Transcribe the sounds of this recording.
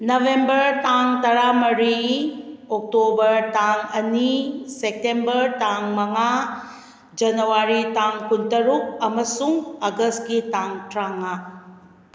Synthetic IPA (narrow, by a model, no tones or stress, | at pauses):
nɐʋembəɾt̪aŋt̪ɐɾamɐɾi | ok̚tobəɾtaŋɐnisek̚ʈembəɾt̪aŋmɐŋa | d͡ʒɐnɐwaɾitaŋkunt̪əɾuk̚ɐmɐsuŋɐɡəs̚kitaŋʈɾaŋa